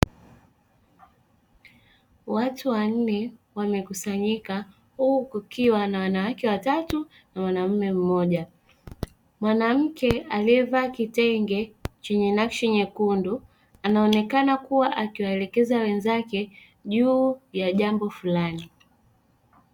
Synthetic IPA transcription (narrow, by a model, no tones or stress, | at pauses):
watuwan̩nɛwamɛkusaɲika | hukukiwanawanawakɛwatatu | nawanam̩mɛm̩mɔʄa | mwanam̩kɛaliɛvaːkitɛŋɡɛt͡ʃɛɲɛnakʃɛɲɛkundu | anaɔnɛkanakuwaʔakiwaɛlɛkɛzawɛnzakɛ | ʄuːjaʄambɔfulani